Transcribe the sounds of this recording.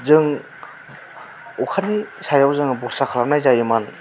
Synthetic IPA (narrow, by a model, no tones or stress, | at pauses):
zɯŋ | ukʰanisajawzɯŋbɔɾsakʰalanajzajɯman